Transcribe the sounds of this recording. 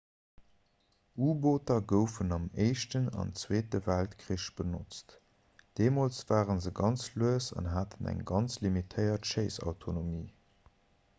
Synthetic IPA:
uːboːtɐɡəʊfənɑmeɪʃtənɑ̰nt͡sweːtəvæltkʁiʃb̥ənot͡st | d̥eːmoːlt͡sv̥aːʁənzəɡɑnt͡sluəsɑ̰nɦaːtʰənæ̰ŋɡɑnt͡slimitʰəɪɐtʃəɪsɑ̰ʊtʰonomiː

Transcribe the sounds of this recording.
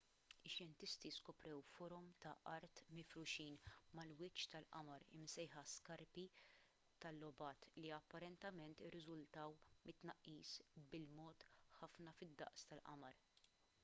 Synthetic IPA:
ɪʃjɛnt̪ɪst̪iskɔpɾɛwfɔːɾɔmt̪ɐʔɐɾt̪mɪfɾʊʃiːnmɐlwɪt͡ʃːt̪ɐlʔɐ̰mɐɾɪ̰msɛjħɐskɐɾpi | t̪ɐlːɔbɐːt̪liɐpːɐɾɛnt̪ɛmɛnt̪ɪrːɪzʊlt̪ɐwmɪt̪ːnɐʔːiːsbɪlmɔːt̪ħɐfnɐfɪd̪ːɐ̰ʔst̪ɐlʔɐ̰mɐɾ

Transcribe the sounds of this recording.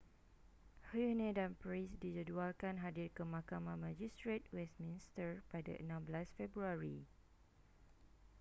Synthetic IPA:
hinẽdanpɹisdid͡ʒəd͡ʒualkanɦadirkəmãkamãmãd͡ʒistɹet̚wɛsmĩnstəɹpada̰ʔə̰nãmblasfɛbɾuaɹi

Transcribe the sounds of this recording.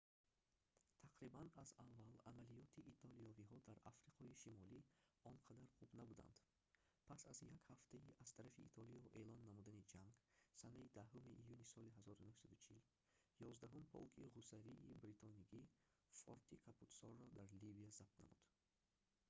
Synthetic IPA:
t̪ʰaqɾibanazavːalamalijɔt̪ʰiʔːt̪ʰɔlijɔviɦɔd̪aɾafɾiqʰɔiʃimɔliɔnqʰad̪aɾχubnabud̪a̰nd̪̥ | pʰasazjakhaft̪ʰaiʔaz̥t̪ʰaɾafḭːt̪ʰɔlijɔʔe̞lɔnːamud̪anid͡ʒaŋɡsanaid̪aɦumiʔijunisɔliɦazɔɾunuhsad̪ut͡ʃʰil | jɔzd̪aɦumpʰɔ̰lkʰiʁusaɾiːbɾit̪ʰɔnikʰi | fɔ̰ɾt̪ʰikʰapʰut̪sɔrːɔd̪aɾlibiazap̚t̪nʔa̰mud̪̥

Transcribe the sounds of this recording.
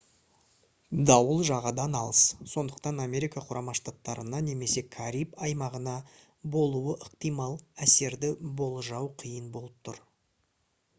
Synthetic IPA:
d̪ɑwəlˠʒɑʁɑd̪ɑnɑlˠəsso̞nd̪əq̚t̪ɑnamʲe̞ɾikɑqʰʊɾʔɑmɑʃt̪at̪ːɑɾənɑne̞me̞se̞kʰaɾipɑjmɑʁənɑ | bo̞lˠuəʔəqt̪ijmɑlˠæse̞ɾd̪ɪbo̞lˠʒɑwqʰijənbo̞lˠəp̚t̪ʰʊɾ

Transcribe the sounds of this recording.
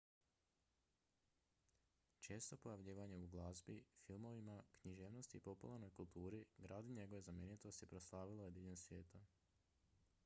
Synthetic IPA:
t͡ʃe̞ːst̪o̞pojaʋʎiːʋaɲeuɡlˠazbifilˠmo̞ʋimakɲiʒe̞ːʋno̞st̪iːpo̞pulˠaɾno̞jkulˠt̪uːɾiɡɾaːd̪iɲe̞ɡo̞ʋe̞zamjeːnit̪o̞st̪jepɾoslˠaːʋilˠojed̪iʎensʋjeːt̪a

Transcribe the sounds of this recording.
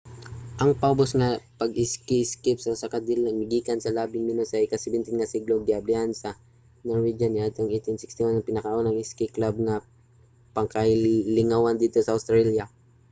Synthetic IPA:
ʔɐŋpɐʔobosŋɐpɐɡɪskɪskɪpsɐsɐkad̪ɪlɐmɪɡiːkɐnsɐlaːbɪŋmɪnosɐʔɪkasɛbɪnt̪ɪnŋɐsiɡloɡ̪ɪablɪansɐ | noɹwid͡ʒɐnɪʔat̪oŋʔejt̪ɪnsɪkst̪ɪwanɐŋpɪnɐkɐʔʔonɐŋɪskɪklab̚nɐ | pɐŋkɐlɪŋawand̪iːt̪osɐʔowst̪ɾalja

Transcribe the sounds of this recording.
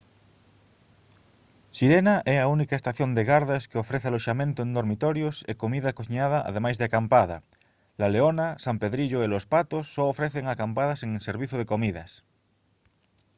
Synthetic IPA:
siɾenaʔɛaunikaest̪aθjond̪eɣaɾðeskeofɾeθealoʃamẽnt̪ʊẽnd̪oɾmit̪ɔɾjosḛkomiðakoθiɲaðaʔa̰ð̞emajzðeakampaða | laleonasampeðɾiʎoelospat̪osːoːfɾeθeŋakampaðaseŋseɾβiθoð̞ekomiðɐ̰s

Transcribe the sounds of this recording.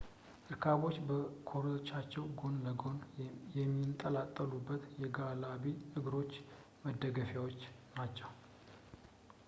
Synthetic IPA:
ʔɨɾkʰaβo̞t͡ʃːbəkʰo̞ɾiot͡ʃːat͡ʃːɛwɡo̞nləɡonjɛmːint̪ʼəlat̪ʼːəlubːət̪jɛɡalaβiɨɡɾo̞t͡ʃː | məd̪ːəɡəfjawo̞t͡ʃːnat͡ʃːɛw

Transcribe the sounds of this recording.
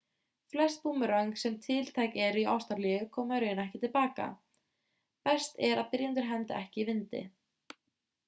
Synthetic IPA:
flɛst̪̚puːmʏɾœɥŋksɛmt̪ʰɪlt̪ʰaːjkɛɾia̰wst̪aɾlijʏkʰɔːmaɾʏjɪnɛhcɪt̪ɪlpaːka̰ | pɛst̪ɛɾaðpɪɾjant̪ʏɾɦɛnt̪a̰ʔɛhcɪivɪnt̪ɪ̰

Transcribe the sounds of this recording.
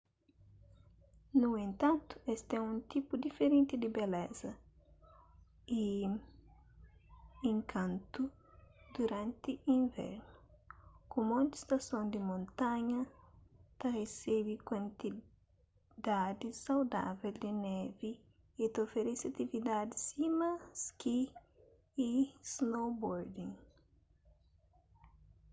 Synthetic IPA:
nuẽnt̪ãnt̪u̥est̪ɛũnt̪ipud̪ifeɾẽnt̪id̪ibelɛzɐ | i | ẽŋkʰãnt̪u | d̪̥uɾãnt̪iʔĩɱvɛ̰ɾnukũmõnt̪i̥st̪ɐsõnd̪imõnt̪ãɲɐ | t̪ɐresebikwɐ̃nt̪i | d̪ad̪isawd̪a̰vɛld̪inɛviː | t̪ofeɾɛsiɐt̪ivid̪ad̪ɪsimɐskiː | snowboɾd̪ĩŋ

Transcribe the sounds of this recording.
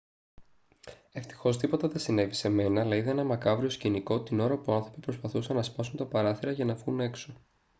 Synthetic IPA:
e̞ft̪i̥xo̞st̪ipo̞t̪ɐðesine̞vise̞me̞nɐːlɐiðɐenɐmɐkɐvɾio̞sciniko̞t̪ino̞ɾɐpuɐnθɾo̞pipɾo̞spɐθusɐnːɐspɐsunt̪ɐpɐɾɐθiɾɐʝɐnɐvɣune̞kso̞

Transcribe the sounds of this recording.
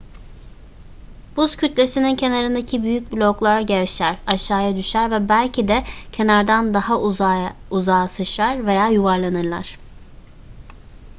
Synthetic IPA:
b̥uscʰyt̪lʲe̞sinincʰe̞naɾɯnd̪acʰibyjyc̚blʲo̞klˠaɾaɟɛɾʃæɾaʃːaːjad̪yʃæɾvɛbælʲcʰid̪ɛcʰe̞naɾd̪and̪aha | uzaːsɯʃlaɾve̞jaːjuvaɾlˠanɯɾlˠa̰ɾ̥

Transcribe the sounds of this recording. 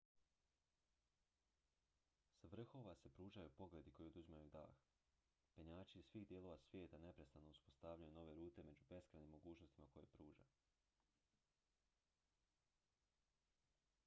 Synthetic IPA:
sʋr̩xo̞ʋase̞pɾuːʒajupo̞ɡled̪iko̞jeod̪uzimajud̪a̰ːx | peɲaːt͡ʃiizsʋiːɣd̪jelˠo̞ʋasʋje̞ːt̪ane̞pɾe̞st̪anouspo̞st̪aʋʎajuno̞ʋe̞ɾuːt̪e̞me̞d͡ʑube̞skɾanimːo̞ɡuːt͡ʃno̞st̪imako̞jḛpɾuːʒa̰

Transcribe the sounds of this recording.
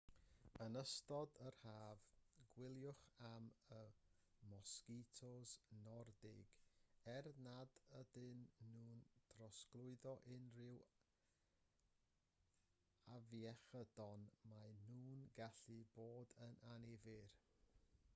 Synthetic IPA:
ənəstɔdərhaːvɡ̥wɪlˠjʊχamə | mɔskitʰɔznɔrdɪɡ̥ɛrnadədɪnːuːntʰrɔsklˠʊɨðɔʔɪnrɪw | avjɛχəd̥ɔnmajnuːnɡaɬɨboːdənʔanivɪr

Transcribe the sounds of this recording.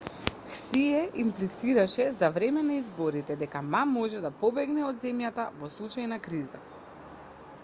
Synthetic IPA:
xsiɛʔimplit̪siɾaʃɛzavɾɛmɛnaizbɔɾit̪ɛd̪ɛkamamːɔʒɛd̪apɔbɛɡnɛɔd̪zɛmjat̪avɔslˠut͡ʃajnakɾiza̰

